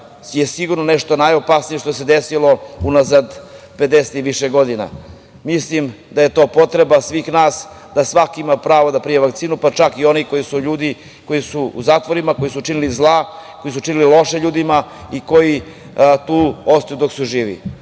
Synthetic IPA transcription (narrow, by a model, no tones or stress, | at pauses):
jesiɡuɾnoneʂt̪onajo̞pasnije̞ʃt̪osed̪esilo̞unazad̪pe̞d̪eset̪iʋiʃeɡo̞d̪ina̰ | mislim | d̪ajet̪o̞ːpo̞t̪ɾebasʋiːxnaːs | d̪asʋakimapɾaːʋod̪apɾijeʋakt̪siːnupat͡ʃakio̞niko̞jisuʎuːd̪i | ko̞jisuṵzaːt̪ʋo̞ɾimako̞jisut͡ʃinilizlˠako̞jisut͡ʂinililˠo̞ʃeʎuːd̪imaikoji | t̪uːost̪ajud̪o̞ksuʒiːʋḭ